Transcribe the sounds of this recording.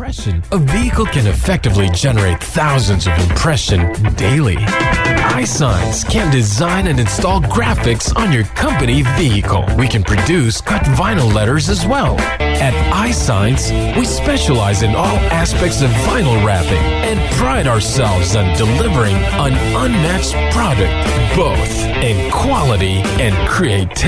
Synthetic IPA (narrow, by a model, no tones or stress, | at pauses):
pɹɛʃɨ̃nʌviɨkl̩ˠkʰɨ̃nɨfɛk̚tɨvlid͡ʒɛnə˞eɪt̪̚θaʊzɨ̃nzʌvɨ̃mpʰɹ̥ɛʃɨ̃ndeɪlˠḭ | aɪsãɪɨ̃nskʰɨ̃nd̥ɨzãɪ̃nɨ̃nɨ̃nstɔlˠɡɹæfɨksn̩jə˞kʰʌ̃mpɨniviɨkʰl̩ˠwikɨ̃npʰɹ̥ɨdʉskʰʌtvãɪ̃nl̩ˠlɛɾə˞zɨzwɛlˠ | ɨɾʔaɪsãɪ̃ns | wispɛʃəlaɪzɨ̃nʔɔlˠæspɛk̚tsʌvːãɪ̃nl̩ˠɹæpɪ̰̃ŋ | ɨ̃npʰɹ̥aɪɾaə˞sɛlˠvzə̃ndɨlɪvə˞ɪ̃ŋ | ʌ̃nʔʌ̃nmækspʰɹ̥ɑɾɨk̚t̚ | b̥oʊθ | ɨ̃nkʰw̥ɑlˠəɾi | ɨ̃nkʰɹ̥ieɪtʰ